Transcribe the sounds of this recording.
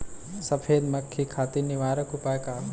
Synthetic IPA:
sɐfʰeːd̪mɐkʰːikʰaːt̪iɾniʋaːɾɐkʊpaːjkaː

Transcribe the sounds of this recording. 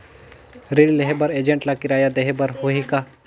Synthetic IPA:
ɾilleɦebɐɾeːd͡ʒẽɳʈlakɪɾaːjad̪eɦebɐɾhoɦika

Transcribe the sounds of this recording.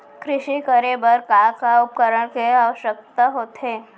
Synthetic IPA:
kɾɪʃikəɾebəɾkakaʊp̚kəɾəɽkeaʋəʃjək̚t̪aɦoːt̪ɦe

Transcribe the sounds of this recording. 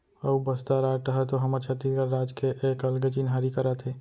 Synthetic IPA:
əubəst̪aɾaʈəɦɛt̪oɦəməɾt͡ʃʰət̪ɾikəɾɾaːd͡ʒkeʔekəlɡət͡ʃinɦaɾikəɾət̪ɦe

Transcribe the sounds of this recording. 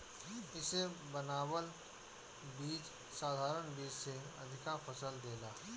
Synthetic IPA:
ɪsebɐnaːwəl | biːd͡ʒ | saːd̪ʱaːɾənbiːd͡ʒseɐ̰d̪ʱɪkafɐsəld̪eːlaː

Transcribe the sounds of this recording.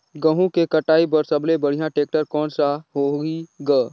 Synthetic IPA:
ɡə̃ɦũkekɐʈaːipɐɾsɐblebəɽ̤ijãʈeːk̚ʈəɾkɔːnsaɦoiɡaː

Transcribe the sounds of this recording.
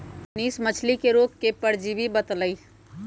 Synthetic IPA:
niːsmət͡ʃʰlikeɾoːɡkepəɽd͡ʒibibət̪ləi

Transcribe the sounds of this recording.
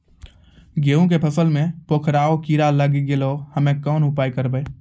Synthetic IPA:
ɡeːũk̬epʰəsəlmẽpoːkʰɾaːokiːɾaləɡiɡeloːhəmẽkɔːnʊpaːikəɾbəe

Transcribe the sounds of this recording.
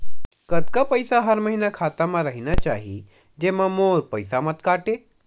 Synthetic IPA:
kəd̪kapəjsaɦəɾməɦinakʰaːt̪amãɾəɦinat͡ʃaːɦi | d͡ʒemãmoːɾpəjsamət̪kaːʈe

